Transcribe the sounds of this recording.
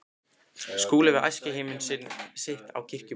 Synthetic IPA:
skuːlɪvɪɾʔa̰jscɪɦeːmʏnsɪnːsɪht̪a̰wcʰɪr̥cʏ

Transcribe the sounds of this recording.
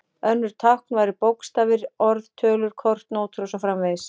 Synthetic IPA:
œnːʏɾ̥t̪ʰawhk̚nvajɾɪpowkst̪aːvɪɾɔɾðt̪ʰœːlʏɾ̥kʰɔr̥t̪noːwt̪ʰɾosafɾamveðɪs

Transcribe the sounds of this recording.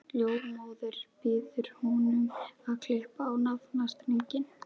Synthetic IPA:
ljoːwɾmoːwðʏɾ̥pɪːðʏɾ̥hɔnʏmaðkʰlɪh̪pːwnaðnast̪niɲcɪn

